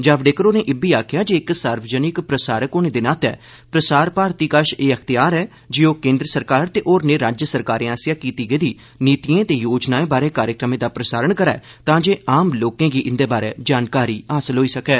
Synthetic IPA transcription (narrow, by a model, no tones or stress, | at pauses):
d͡ʒaʋɖeːkəɾoːneːʔɪbiːaːkʰjaːd͡ʒeːɪksaːɾʋəd͡ʒənɪkpɾəsaːɾəkoːnẽːd̪ɪnaːt̪ɛ̰ː | pɾəsaːɾpaːɾt̪iːkəʃeːəkʰt̪ɪjaːɾɛː | d͡ʒiːoːkẽːnd̪ɾəsəɾkaːɾt̪eːʔoːɾneːɾaːd͡ʒjəsəɾkaːɾẽːaːsjaːkiːt̪iːɡeid̪iː | niːt̪iːẽːt̪eːjoːd͡ʒnaːẽːbaːɾeːkaːɾjəkɾəmẽːd̪aːpɾəsaːɾəɳkəɾɛ̰ː | t̪ãːd͡ʒeːaːmloːkẽːɡiːʔɪnd̪eːbaːɾḛːd͡ʒaːnkaːɾiːaːsəlɦoːiːsəkɛː